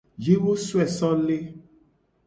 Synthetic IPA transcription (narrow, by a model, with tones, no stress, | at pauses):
d͡ʒi˦wo˦swɛ˨sɔ˦le˦